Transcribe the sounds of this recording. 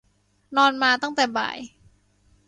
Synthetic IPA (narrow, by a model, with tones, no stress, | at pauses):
nɔː˧nmaː˧t̪a˥˩ŋt̪ɛː˨˩ba̰ː˨˩j